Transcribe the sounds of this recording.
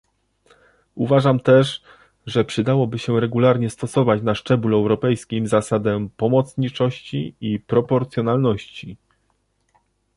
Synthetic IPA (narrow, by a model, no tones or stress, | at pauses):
uvaʐamt̪ɛʂ | ʐɛpʂɘd̪awɔbɘɕɛɾɛɡulaɾɲɛst̪ɔsɔvat͡ɕnaʂt͡ʂɛbulɛwɾɔpɛjskʲimzasad̪ɛpɔmɔt̪sɲit͡ʂɔɕt͡ɕiipɾɔpɔɾt̪sʲjɔnalnɔɕt͡ɕi